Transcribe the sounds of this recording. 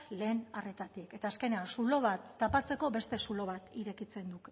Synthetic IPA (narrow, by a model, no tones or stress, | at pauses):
le̞ːnare̞t̪at̪ike̞t̪aːske̞ne̞ansulo̞β̞at̪ːapat͡se̞ko̞be̞st̪e̞sulo̞β̞at̪iɾe̞kit͡se̞nd̪uk